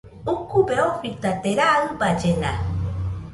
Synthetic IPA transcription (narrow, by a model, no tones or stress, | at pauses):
ukubeoɸit̪at̪eɾaɯbad͡ʒena̰